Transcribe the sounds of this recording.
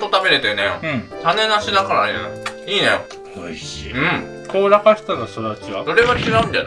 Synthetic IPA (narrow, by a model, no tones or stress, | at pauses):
t̪ot̪abe̞ɾet̪enḛ̃ɯ̃t̪ane̞naɕid̪akaɾajɯ̃iːnḛjo̰ | oiɕiɯ̟̃ɴ | koːɾakaɕi̥t̪anoɕt̪od̪at͡ɕiβad̪̥o̞ɾe̞ɡat͡ɕiɡaɯ̟̃nd̪ḛ